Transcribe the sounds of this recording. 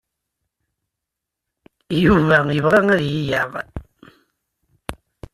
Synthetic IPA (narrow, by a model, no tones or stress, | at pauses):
juvæjəvʁæŋæðjijaʁ